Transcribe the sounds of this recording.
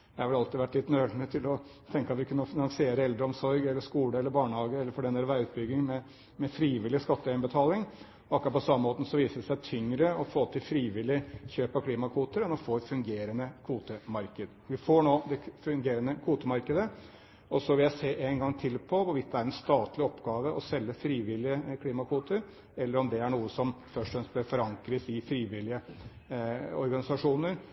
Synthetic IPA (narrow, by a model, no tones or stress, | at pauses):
jæhɑʋɛlɑlt̪ɪʋæʈːlɪt̪ːnøːɖ̪mət̪ʰɪlɔ | t̪ʰɛŋkəɑt̪ʋɪkʰʉnːəɔfɪnɑnsɪeːɾəɛld̪ɾəɔmsɔɾɡɛlːəʂkuːləɛlːəɾbɑːɳəhɑːɡəɛlːəɾfɔɖɛnəɾəʋæɪʉːt̪̚bʏɡːɪŋmɛ | mɛfɾiːʋɪlɪskɑt̪ːəæɪbət̪ʰɑːlɪŋ | ɔɑkːɾɑpɔsɑməmoːt̪n̩sɔʋiːsəɛsæɪt̪ʰʏŋɾəɔfoːt̪ʰɪlfɾiːʋɪlːɪçøːpɑkʰliːmɑkʰʋuːt̪əɾɛnɔfoːɛt̪fʉŋɡeːɾənəkʰʋuːt̪əmɑɾkəd̪əʋɪfoːɳoːd̪ɛfʉŋɡeːɾənəkʰuːt̪əmɑɾkəd̪ə | ɔsɔʋɪljæɪseːʔeŋɡɑŋt̪ʰɪlpʰɔʋʊɾʋɪt̪̚d̪ɛæɾɛnst̪ɑːt̪lɪɔpɡɑːʋəʔɔsɛlːəfɾiːʋɪlːɪəkʰliːmɑkʰuːt̪əɾ | ɛlːəɾɔmd̪ɛæɳuːəsɔmfœʂʈɔfɛnsblæfɔɾɑŋkɾəsɪfɾiːʋɪlɪə | ɔ̰ɾɡɑnɪsɑʂuːnəɾ